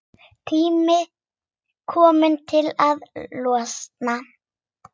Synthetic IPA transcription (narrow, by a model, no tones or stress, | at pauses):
t̪ʰiːmɪ | kʰɔːmɪnt̪ʰɪlaðlɔːsna